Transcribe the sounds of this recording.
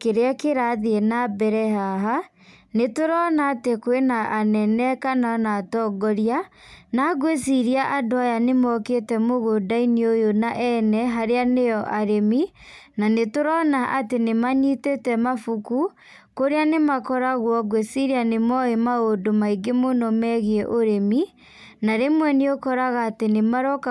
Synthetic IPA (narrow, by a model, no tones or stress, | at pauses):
keɾeakeɾaðeɛnabɛɾɛɦaɦa | netoɾɔnaːtekoenaʔanɛnɛkananaːtɔːɡɔɾia | naɡwes̬iɾiaʔadoajanemɔketɛmoɣodainiojonaʔɛnɛɦaɾeanejɔʔaɾemi | nanetoɾɔnaʔatenemaɲitetɛmafuku | koɾeanemakɔɾaɣwɔɡwesiɾianemɔemaodomaiɡemonɔmɛɣeɛʔoɾemi | naɾemwɛneokɔɾaɣaːtenemaɾɔk